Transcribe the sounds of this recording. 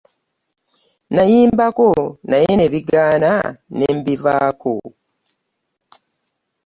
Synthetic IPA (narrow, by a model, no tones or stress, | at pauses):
najiːmbako̞najene̞βiɡaːna̰nembivaːko̰